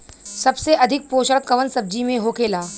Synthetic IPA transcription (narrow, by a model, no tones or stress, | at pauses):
sɐbseʔɐd̪ʱɪk̚poːʃəɭkːɐʋənsɐb̚d͡ʒimẽɦoːkeːlaː